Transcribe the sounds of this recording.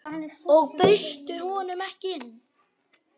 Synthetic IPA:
ɔɣpʏɥst̪ʏhɔːnʏmɛhcɪɪɪnː

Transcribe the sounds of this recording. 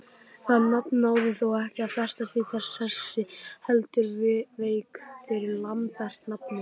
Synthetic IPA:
θaðnapnaːwðɪθowɛhcɪaðfɛr̥st̪asiθɛsɛsːɪhɛlt̪ʏɾvɪveːjkfɪɾɪɾlanpɛr̥t̪nap̚nʏ

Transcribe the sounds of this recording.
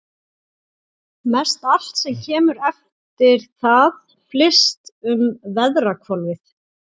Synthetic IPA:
mɛst̪al̥t̪sɛmcʰɛːmʏɾɛf | t̪ɪɾ̥θað | flɪst̪ʏmvɛðɾrakʰvɔlvɪθ

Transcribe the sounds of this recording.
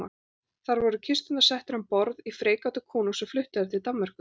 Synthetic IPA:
a̰ | θaɾvɔɾʏcʰɪst̪ʏnt̪asɛht̪ʏɾɛmpɔɾðifɾeːjkawt̪ʏkʰɔːnusʏflʏht̪ɪaɾt̪ʰɪlt̪amːaɾ̥kʏ

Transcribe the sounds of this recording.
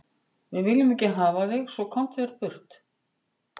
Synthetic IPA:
vɪðvɪlːʏmɛcɪɦaːvaðɪɣsvɔkʰɔwm̥t̪vɛɾ̥pʰʏr̥t̪

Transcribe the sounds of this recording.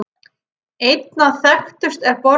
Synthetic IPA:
ejt̪̚naθɛxt̪ʏst̪ɛɾpɔ

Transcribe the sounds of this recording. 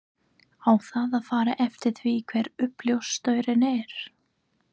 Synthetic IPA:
awθaðaðfaːɾaʔɛft̪ɪɾ̥θvikʰvɛɾʏpljowst̪œːɥɾɪnɛɾ̥

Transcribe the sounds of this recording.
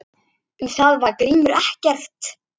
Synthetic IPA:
ʏmθaðvaɾkɾiːmʏɾɛhcɛr̥t̪

